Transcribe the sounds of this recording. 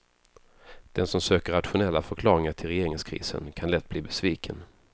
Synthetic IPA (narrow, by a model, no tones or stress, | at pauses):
d̪̥ɛnsɔmsøːkəɾat̪ɧʊnɛlːafœɾkʰlɑːɾɪŋaʈʰɪlɾɛjeːɾɪŋskʰɾḭːsə̰nkʰanlɛt̪̚ːbliːbɛsviːkʰən